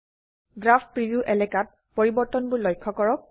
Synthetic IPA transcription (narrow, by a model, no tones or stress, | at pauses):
ɡɹaft̚pɹibiuʔɛlɛkat̚ | pɔɹibɔɹtɔnbʊɹlɔjkʰːɔkɔɹɔk̚